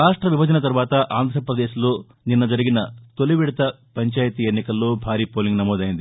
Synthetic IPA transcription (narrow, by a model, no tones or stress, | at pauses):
ɾaːʂʈɾɐʋibɐd͡ʒɐnɐt̪ɐɾuʋaːt̪ɐʔaːnd̪ʱɾɐpɾɐd̪eːʃilo̞ː | ninːɐd͡ʒɐɾiɡinɐt̪oliʋiɽɐt̪ɐ | pɐɲt͡ʃaːjɐt̪ienːikɐlːo̞ːbʱaːɾiːpoːliŋɡnɐmɔːd̪ɐjind̪i